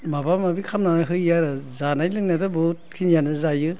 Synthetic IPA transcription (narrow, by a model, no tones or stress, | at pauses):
mabamabikʰamnanaɦɯjaɾɯzanajlɯŋnatɔbɯt̚kʰinjanɯzajɯ